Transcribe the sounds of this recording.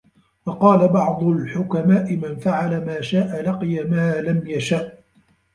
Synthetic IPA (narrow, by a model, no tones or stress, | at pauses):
fɑqɑːlabɑʕd̪ˤʊlħʊkamaːʔɪmanfaʕalamaːʃaːʔalɑqɨjamaːlamjaʃaːʔ